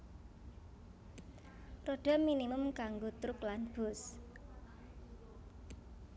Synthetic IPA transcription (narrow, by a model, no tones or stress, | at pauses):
roɖ̥a̤minimʊmkaŋɡot̪ɾʊklanb̥ʊs